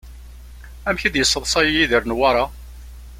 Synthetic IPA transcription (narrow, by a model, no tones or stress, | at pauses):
æmçid̪jəsˤːəðˤsˤɑjijiðiɾnwɑɾˤɑ